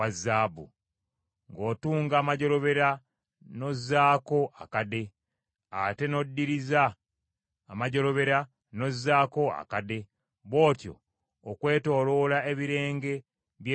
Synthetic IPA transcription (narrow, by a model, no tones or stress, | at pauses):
azːaːbṵ | ŋɡo̞ːtuːŋɡaːmaɟo̞ɾo̞βe̞ɾa | no̞zaːko̞ʔa̰kade̞ | ate̞no̞dːiɾizaː | maɟo̞ɾo̞βe̞ɾa | no̞zːaːko̞a̰kade̞ | βo̞ːtjo̞̰ː | kwe̞ːto̞ːlo̞lae̞βiɾe̞ːŋɡe̞ | βje